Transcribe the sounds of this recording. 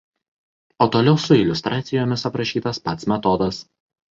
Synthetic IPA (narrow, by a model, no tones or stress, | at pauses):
oːt̪oːlʲɛʊsʊɪlʲʊst̪ɾʔɑːt̪sʲɪjoːmʲɪsɐpɾɐʃʲiːt̪ɐspɐt̪smʲɛt̪ɔd̪ɐs